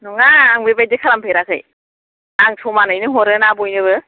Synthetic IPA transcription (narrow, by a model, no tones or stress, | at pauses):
nɔŋaːŋbebajdekʰaɾampʰeɾakʰɯ̰j | aŋsʰɔmanɯjnɯɦɔɾɯnabɔjnɯβɯ